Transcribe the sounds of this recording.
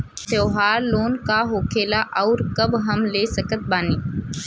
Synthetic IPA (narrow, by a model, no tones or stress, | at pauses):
t̪eɦaloːnkaɦoːkʰeːlaʔəwɾkəbɦəmlesəkət̪̚baːniː